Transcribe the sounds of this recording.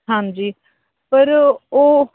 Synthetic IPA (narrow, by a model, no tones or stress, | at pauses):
ãnd͡ʒiː | pəɾoː